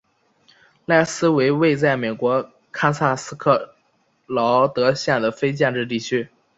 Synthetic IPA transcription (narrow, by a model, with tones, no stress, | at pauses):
la˥˩ɪsɹ̩˥we˧˥ɪwe˥˧ɪt͡sa˥˩ɪme˨˩ɪkwɔ˧˥ | kʰa˥sʰa˥˩sɹ̩˥kʰɤ˥˩ | lɑ˧˥ʊt̪ɤ˧˥ɕjɛ˥˩nd̪ə˩fe˥ɪt͡ɕjɛ˥˧nʈ͡ʂɻ̩˥˧t̪i˥˩t͡ɕʰy˥